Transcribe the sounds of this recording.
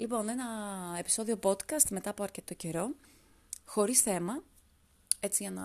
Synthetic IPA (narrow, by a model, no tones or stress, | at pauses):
lipo̞ne̞nɐe̞pi̥so̞ðio̞po̞t̪kɐst̪me̞t̪ɐːpoɐɾcet̪et̪oce̞ɾo̞ | xo̞ɾisθe̞mɐ | e̞t͡siʝɐnɐ